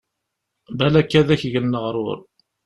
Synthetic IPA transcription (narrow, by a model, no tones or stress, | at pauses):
bælækːæðæçʝənːəʁɾˤʊ̰ɾˤ